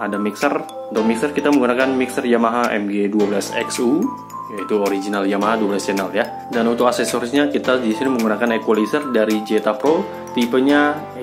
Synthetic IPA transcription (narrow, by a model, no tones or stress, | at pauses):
adamiksər | unt̪ʊk̚miksərkit̪aməŋɡunakanmiksərjamaɦaɛ̰mɡeduabəlasɛ̰ksu | jait̪uoɾid͡ʒinaljamaɦaduablasd͡ʒanalja | danunt̪ʊkasɛsɔrsɲakit̪ad͡ʒisiməŋɡunakanekwalisərdaɾid͡ʒet̪apɾo | t̪ipəɲa